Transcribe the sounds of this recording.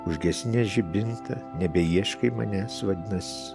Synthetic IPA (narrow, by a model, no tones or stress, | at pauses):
ʊʒʲɡʲɛsʲnʲɛʒʲɪbʲɪnt̪ɐnʲɛbʲɛiɛʃkɐɪmɐ̰nʲɛsʋɐd̪ʲɪnɐsʲɪ